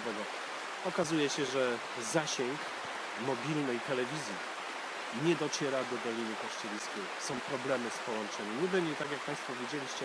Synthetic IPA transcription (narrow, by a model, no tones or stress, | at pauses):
vɛɡɔ | ɔkazujɛɕɛʐɛ | zaɕɛŋk | mɔbʲilnɛjt̪ɛlɛvʲizʲji | ɲɛd̪ɔt͡ɕɛɾad̪ɔbɛlʲinukɔʂt͡ɕɛlʲiskʲɛjsɔ̃w̃pɾɔblɛmɘspɔwɔnt͡ʂɛmʲiɲɛbɛɲd͡ʑɛt̪aɡjak̚pãspɔvʲjed͡ʑelʲiɕt͡ɕɛ